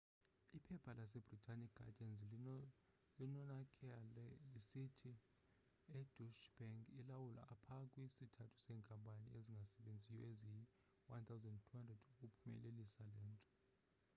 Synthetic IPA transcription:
ipʰɛpʰalas̬ɛbritʰʼanikɡa̰dɛnz | linɔnakʼɛlɛisitʰi | ɛd̥uʃb̥ɛŋkilawula̰ːpʰakʼwisitʰatʰu̥sɛːŋkʼampʼanḭeziŋɡʱasɛɓend͡zʱijɔezii | want̪ʰawzɛndtʰuhandrɛduk̬ʼupʰumɛ̰lelisalɛːntʼɔ̥

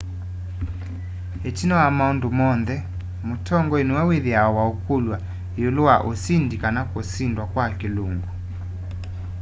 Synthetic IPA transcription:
et͡ʃinɔwamaondomɔnðɛ | motʰɔŋɡɔenuwaweðeaɔwaokolwa | jolowaʔosindikanakosindwakwakeloŋɡu

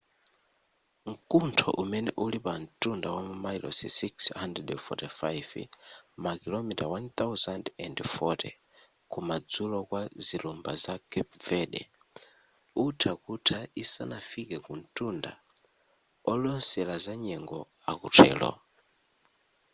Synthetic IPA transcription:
ŋ̩kuntʰɔ̰ʔumɛnɛʔulipan̩tʼundawammailɔ̰sḭsikshandrɛdfɔ̰tifajvmakilɔmitawant̪awzandɛndfɔtʰɛ̰ | kumad͡zulɔkwazilumba̰zakʰɛp̚vɛɗɛ̰ | utʰakutʰaisa̰nafikɛkun̩tʼunda̰ | ɔlɔnsɛlazaɲɛŋɡɔa̰kutʰɛ̰ːlɔ̰

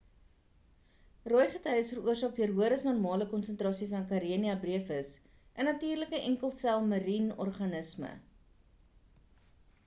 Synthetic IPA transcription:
rɔjχətœjəsfəruərsɑːk̚diərɦuəɾəsnɔrmɑːləkɔnsəntrɑːsifɐnkɐɾiəniɐbriəfəs | ʔənːɐtiːrləkəʔɛŋkəlˠsælˠmɐɾinɔ̰rχɐnəsmə̰

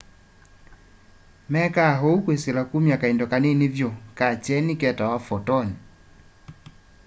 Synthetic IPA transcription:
mɛkaɦoukweselakumjakaendɔkanenevjɔkat͡ʃɛnikɛtawafɔtɔɲi

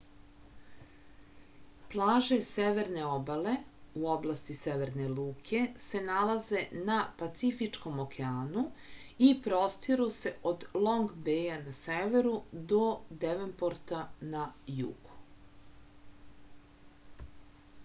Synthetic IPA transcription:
plˠaːʒe̞seʋe̞ɾne̞obale̞uoblˠast̪iseʋe̞ɾne̞luːkʰe̞se̞nalaze̞napat̪sifit͡ʃko̞mokeaːnuipɾost̪iɾuse̞ʔod̪lˠo̞ŋɡbeːjanaseʋeɾud̪o̞d̪eʋempoɾt̪anajṵɡ̥u̥

